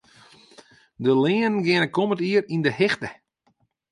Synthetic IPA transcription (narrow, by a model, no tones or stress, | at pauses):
dəlɪːnɡɪnəkʰomətiərindəhɪxtə